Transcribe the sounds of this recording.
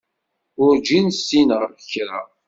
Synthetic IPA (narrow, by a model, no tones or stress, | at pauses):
ʊɾd͡ʒinsːinʁəɾfəçɾa